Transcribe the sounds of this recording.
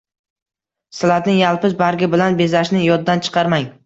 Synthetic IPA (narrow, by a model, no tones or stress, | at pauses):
sɪlat̪nɪŋjalˠpɪzbaɾɡʲɪbɪlanbe̞zaʃnɪjɒd̪dːant͡ʃʰɨ̥qʰɑɾmaŋ